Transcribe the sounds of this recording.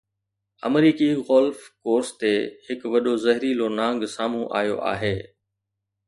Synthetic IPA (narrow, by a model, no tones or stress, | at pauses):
ɐ̰mɾiːkiɣɔlfkoːɾst̪ehɪkʋɐɗozɐɦɪɾilonãːŋ̆ɡsaːm̤ũʔa̰ːjo̰ʔa̰ːɦeː